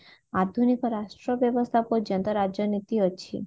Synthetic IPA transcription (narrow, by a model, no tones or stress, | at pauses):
ad̪ʱunikɔɾaʃʈɾɔbjɔbɔst̪ʰapod͡ʒɔnt̪ɔɾad͡ʒɔnit̪iɔt͡ʃʰḭ